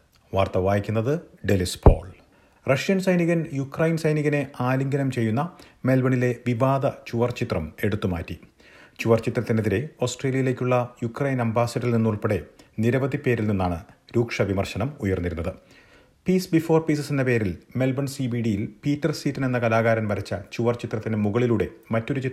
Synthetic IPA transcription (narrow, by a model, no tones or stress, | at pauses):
ʋaːrt̪ɐʋaːjikʲːunːɐðɨɖelispʰo̞̰ːɭ | rɐʂijɐnsɐjniɣɐnjukrɐjnsɐjniɣɐne̞ʔaːliŋɡɐnɐmt͡ɕe̞jːunːɐme̞lbɐɳile̞ʋibaːd̪ɐt͡ɕuʋɐrt͡ɕit̪rɐme̞ɽut̪ːuma̰ːtːi | t͡ɕuʋɐrt͡ɕit̪rɐt̪ːineðiɾe̞o̞ːsʈre̞ːlijɐjile̞ːkʲːuɭːɐjukrɐjnɐmbaːsɐʈːilninːuɭpɐɽe̞niɾɐʋɐd̪ipːe̞ːɾilninːaːɳɨɾuːkʂɐʋimɐrɕɐɳɐmujɐrnːiɾunːɐðɨ | piːsbifo̞ːrpiːs̬ɐsinːɐpe̞ːɾilme̞lbɐɳsibiːɖijilpiːtːɐrsiːtːɐne̞nːɐkɐlaːɣaːɾɐnʋɐɾɐt͡ɕːɐt͡ɕuʋɐrt͡ɕit̪rɐt̪ːinemuɣɐɭiluːɽe̞mɐtːo̞ɾut͡ɕi